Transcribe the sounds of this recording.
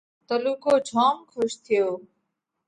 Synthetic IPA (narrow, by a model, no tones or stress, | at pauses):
t̪əluːkoːd͡ʒʱaːmkʰʊʃt̪ʰɪjoː